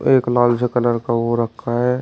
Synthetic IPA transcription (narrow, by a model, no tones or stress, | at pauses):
eːklaːlsekələɾkaʋoɾəkʰːaɦɛ